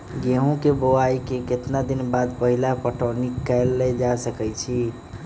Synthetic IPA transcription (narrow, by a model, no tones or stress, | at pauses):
ɡeɦõkeboaikeket̪nad̪inbad̪̚pəɦilapəʈɔnikːɛlːed͡ʒasəkɛt͡ʃʰi